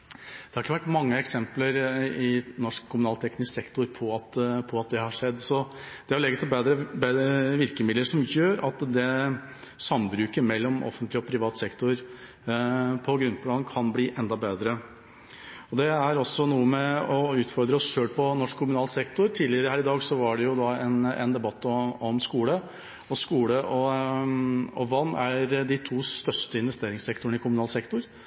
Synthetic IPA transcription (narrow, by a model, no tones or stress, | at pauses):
d̪̥ɛhɑɾɪkːəʋæʈːmɑŋːəɛksɛmpləɾɪnɔʂkʰːʊmʉnɑːlt̪ʰɛknɪssɛkt̪ʊɾpʰɔɑt̪pʰɔɑt̪̚d̪ɛhɑʂɛd̪ːsɔ | d̪ɛæɾlɛɡːət̪ʰɪlbeːd̪ɾəbeʋɪɾkəmɪd̪ləɾʂɔmjøːɾɑt̪d̪ɛ | sɑmːbɾʉːkəmɛlːɔmɔ̰fːənt̪lɪɔpʰɾɪʋɑːt̪sɛkt̪ʊɾ | pʰɔɡɾʉnt̪ʰlɑnkʰɑnbliːʔɛnd̪ɑbeːd̪ɾə | ɔd̪ɛæɾɔsːɔnuːəmɛɔʉːt̪fɔɾd̪ɾəɔsʃøːlpʰɔnɔʂkʰːʊmʉnɑːlsɛkt̪ʊɾt̪ʰiːd̪lɪəɾəhæːɾɪd̪ɑːɡsɔʋɑɖɛjʊd̪ɑɛnɛ̰nd̪ɛbɑt̪ːɔɔmskuːlə | ɔskuːləʔɔ | ɔʋɑnːæɾɖ̪ɪt̪ʰuːst̪œʂʈəɪnʋɛst̪eːɾɪŋsɛkt̪ʊɳ̩ɪkʰʊmʉnɑːlsɛkt̪ʊɾ